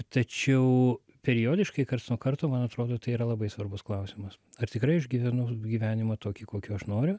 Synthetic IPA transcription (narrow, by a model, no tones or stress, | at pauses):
t̪ɐt͡ʃʲɛʊ | pʲɛɾʲɪjoːd̪ʲɪʃkɐɪkɐrt̪nuːkɐrt̪oːmɐnɐt̪ɾoːd̪oːt̪ɐɪiːɾɐlˠɐbɐɪsʋɐrbʊsklˠɐʊsʲɪmɐs | ɐrt̪ʲɪkɾɐɪɐʒɡʲiːʋʲɛnʊɡʲiːʋʲæːnʲɪmɐt̪oːkʲiːkoːkʲuɐʃnoːɾʲʊ